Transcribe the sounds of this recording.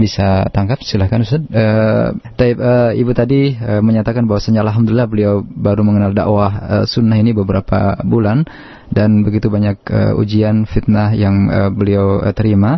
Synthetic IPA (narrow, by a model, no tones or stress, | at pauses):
bisat̪aŋkap̚stilahkanusad̪̚ət̪aip̚əibut̪adiəməɲat̪akanbawasaɲaːlɦamd̪ulilahbəliawbaɾuməŋənalda̰ʔwahə̰sunːaɦinibəbəɾapa̰bulan | danbəɡit̪ubaɲakə̰ṵd͡ʒianfit̪̚nahjaŋəbəliaw̰t̪əɾima